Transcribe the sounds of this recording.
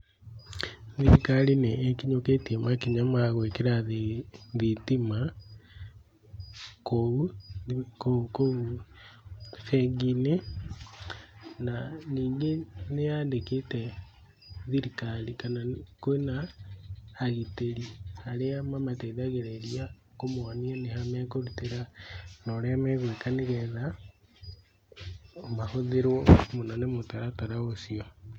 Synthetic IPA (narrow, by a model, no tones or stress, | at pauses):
ðiɾikalineːkiɲoketiemakiɲamaɣwekeɾaððitima | koɣu | kokoɣu | feɡine | naniːŋɡenejaːndeketɛ | ðiɾikalikanakwenaː | ɣiteɾiaɾeamamatɛðaɣeɾɛɾia | komwaniɛnehamɛkoɾuteɾanɔɾɛamɛɣwekaneɣɛða | omahoðeɾwɔmonɔnemotaɾataɾaosiɔ